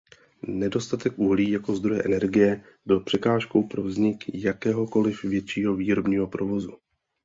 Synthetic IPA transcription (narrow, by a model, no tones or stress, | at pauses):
nɛdo̞st̪at̪ɛkʔuɦliːjako̞zd̪ɾo̞jɛʔɛnɛɾɡɪjɛ | bɪlpr̝̥ɛkaːʃko̞wpɾo̞vzɲɪkjakɛːɦo̞ko̞lɪfvjɛt̪t͡ʃiːɦo̞viːɾobɲiːɦo̞pɾo̞vo̞zu